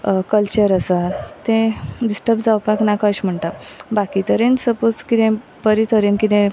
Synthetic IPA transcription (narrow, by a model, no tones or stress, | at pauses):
kəlt͡ɕəɾəsat̪ẽɖisʈəpd͡zawpaknakaɕm̤əɳʈ̪abakit̪əɾensəpot͡skit̪ẽ | pəɾit̪ʰəɾenkit̪ẽ